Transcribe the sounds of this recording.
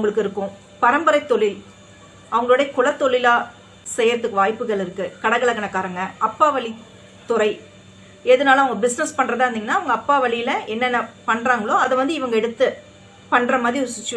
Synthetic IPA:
ɐʊŋɡɐɭɯkːɯɪɾɯkːʊ̃ | pɐɾɐmbɐɾɐɪt̪ːɔɭɪl | ʔɐʋɐŋɡɐɭoːɽɐjɐkʊlɐt̪ːɔlɪlaː | sɛjɐɾɐt̪ːɯkːɯʋaːjpːɯɣɐɭɪɾɯkːɯkɐɽɐɣɐɭɐkːɐɳɐkaːɾɐŋɡɐʔɐpːaːʋɐɭi | t̪ːʊɾɐɪ | ɛðɐnaːlɐɐʋɐŋɡɐbɪsnɛspɐnːrɐðaːɾɯnd̪iŋɐnaːɐʋɐŋɡɐpːaːʋɐɭɪjɪlɐʔɛnːɛnːɐpɐɳɾaːŋɡɐɭoːɐðɐʋɐnd̪ɯɪʋɐŋɡɐɛɽɯt̪ːɯ | pɐɳɾɐmaːðɾisɯt͡ʃː

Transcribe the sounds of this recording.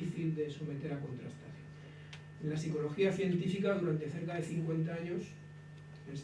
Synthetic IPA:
iθild̪e̞some̞t̪e̞ɾako̞nt̪ɾa̰st̪aθjon | nlasiko̞lo̞xiaθje̞nt̪ifikaðuɾant̪e̞θe̞ɾkaðe̞θiŋkwe̞nt̪aaɲo̞s | ens

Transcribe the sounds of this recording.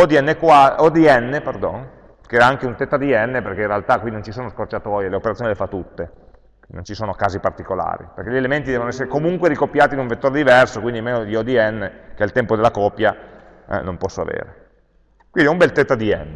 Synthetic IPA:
ɔd̪iɛnːekwaɔd̪iɛnːeperd̪ɔ̰n | keɛaŋkeunt̪et̪ːad̪iɛnːeperkeinrealt̪akwinont͡ʃisoːnoskort͡ʃat̪oːɾjeleopeɾat̪jonilefat̪ːut̪ːe | no̰nt͡ʃisoːnokaːzipart̪ikola̰ːɾḭperkeʎielement̪id̪ɛvonoɛsːeɾekomuŋkweɾikopːjaːt̪inũɱvet̪ːoːɾed̪ivɛrsokwind̪imeːnod̪iɔd̪iɛnːekealt̪ɛmpod̪elːakɔpːja̰ | nompɔsːoa̰vḛːɾe | kwind̪ɛumbɛlt̪et̪ːad̪iɛnːe

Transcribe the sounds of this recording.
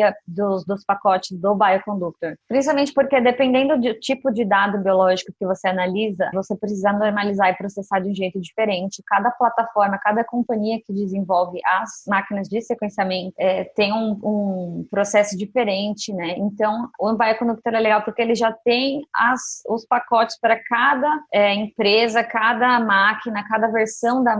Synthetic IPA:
ɐd̪ʊsd̪ʊspakɔt͡ʃɪzd̪ʊbajokõnd̪uk̚t̪oɾpɾĩsip̬amẽnt͡ʃɪ̥poɾked̪epẽnd̪ẽnd̪ʊʊt͡ʃipʊd͡ʒɪd̪ad̪ʊbiolɔʒikʊkɪvoseanalizɐ̰vosepɾɪsizanoɾmalizaɾɪpɾosesaɾd͡ʒɪũʒejt̪ʊd͡ʒifeɾẽnt͡ʃɪkad̪ɐplat̪afɔɾmɐkad̪ɐkõmpɐ̃ɲiɐkɪd͡ʒɪzẽvɔwvɪʔɐzmakinɐzd͡ʒɪsekwẽsiamẽnt̪ʊɛt̪ẽj̃ũũpɾosɛsʊd͡ʒifeɾẽnt͡ʃɪnɛẽnt̪ɐ̃w̃ʊnʊbajʊkõnd̪ʊkit̪ɛɾɛleɡawpoɾkeelɪʒat̪ẽj̃ɐ̰sʊspakɔt͡ʃɪ̥spɾɐkad̪ɐɛẽpɾezɐkad̪ɐmakinɐkad̪ɐveɾsɐ̃w̃d̪ɐ

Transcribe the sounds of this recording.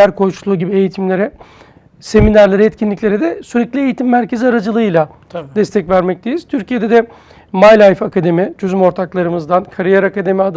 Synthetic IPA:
æɾkʰo̞jʃt͡ʃulˠuːɟibiejit̪ʰimlʲe̞ɾɛ | se̞minaɾlʲeɾɛɛt̪cʰinlʲiclʲeɾɛd̪ɛsyɾɛclʲiejit̪ʰimːæɾcʰeziaɾad͡ʒɯlˠɯjlˠa | d̪ɛst̪ʰɛcvæɾmɛc̚t̪ʰejiz̥t̪ʰyɾcije̞d̪ɛd̪ɛ | majlʲˠajfakʰad̪e̞mit͡ʃʰøzymo̞ɾt̪ʰaklˠaɾɯmɯzd̪ankʰaɾijaɾakad̪e̞miad̪

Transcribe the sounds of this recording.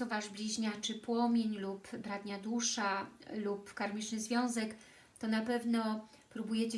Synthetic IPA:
ɔvaʐblʲiʑɲat͡ʂɘpwɔmʲjeɲlupbɾad̪ɲad̪uʂalupkaɾmʲit͡ʂnɘzvʲjɔ̃w̃zɛk | t̪ɔnapɛvnɔ | pɾubujɛt͡ɕɛ

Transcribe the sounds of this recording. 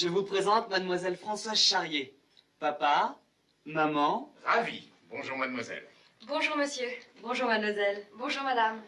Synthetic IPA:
ʒəvupχezɑ̃t̪mad̪mwazɛlfχɑ̃swaʃaʁje | papa | mamɑ̃ʁavi | bɔ̃ʒuʁmad̪mwazɛ̰l | bɔ̃ʒuʁməsjøbɔ̃ʒuʁmad̪mwazɛlbɔ̃ʒuʁmad̪am

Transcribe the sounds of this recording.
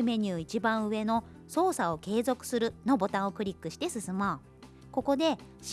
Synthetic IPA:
me̞ɲ̟ɨɯːit͡ɕibãɰ̃ɯ̟βe̞no̞ | so̞ːsao̞ke̞ːzo̞kɯ̟̥sɨɾɯ̟no̞bo̞t̪ãɰ̃o̞kɯ̟ɾʲikːɯ̟ɕi̥t̪e̞sɨsɨma | ko̞ko̞d̪e̞ | ɕ

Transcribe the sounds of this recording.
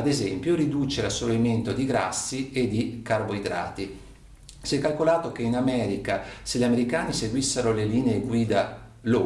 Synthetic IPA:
ad̪ezɛmpjoɾid̪uːt͡ʃelasːoliment̪od̪iɡɾa̰sːied̪ːikarboid̪ɾa̰ːt̪i | siɛkːalkolaːt̪ok̟einamɛːɾikaseʎːameɾikaːniseɡwisːeɾoleliːneːɡwiːd̪aloː

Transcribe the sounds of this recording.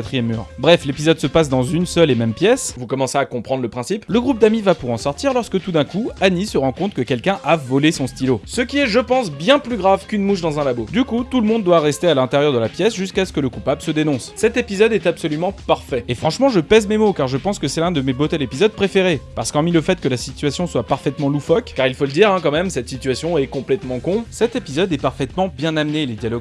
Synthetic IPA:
t̪χijɛmy̰ʁbʁɛflepizɔd̪səpas̬d̪ɑ̃zynsœlemɛmpjɛsvukɔmɑ̃seakɔ̃pχɑ̃d̪ʁləpχɛ̃sipləɡʁup̚d̪amivapuʁɑ̃sɔʁt̪iʁlɔʁskət̪ud̪ɛ̃kuanisəʁɑ̃kɔ̃t̪χkəkʲɛlkʲɛ̃ʔavɔlesɔ̃st̪ilosəkʲiɛʒəpɑ̃sbjɛ̃plyɡʁavkynmuʃ̬d̪ɑ̃zɛ̃labod̪ykut̪uləmɔ̃d̪̚ːwaʁɛst̪ealɛ̃t̪eʁjœʁd̪əlapjɛsʒyskasə̥kələkupabləsəd̪enɔ̃ssɛt̪epizɔd̪ɛt̪apsɔlymɑ̃paʁfɛefχɑ̃ʃmɑ̃ʒəpɛzmemokaʁʒəpɑ̃skəsɛlɛ̃d̪əmebot̪ɛlepizɔd̪̚pχefeʁepaʁsə̥kɑ̃miləfɛt̪kəlasit̪ɥasjɔ̃swapaʁfɛt̪mɑ̃lufɔkkaʁilfoləd̪iʁɛ̃kɑ̃mɛmsɛt̪sit̪ɥasjɔ̃ɛkɔ̃plɛt̪mɑ̃kɔ̃sɛt̪epizɔd̪ɛpaʁfɛt̪mɑ̃bjɛ̃namneled̪jalɔɡ

